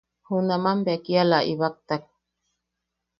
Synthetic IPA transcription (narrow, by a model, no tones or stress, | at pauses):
hunamambeakialaʔiβak̚t̪ak̚